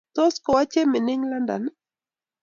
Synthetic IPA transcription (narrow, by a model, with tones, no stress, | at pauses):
t̪ɔ˦skɔ˨wa˦t͡ʃe˦mɪ˨nɪ˦ŋla˦nda̰˨n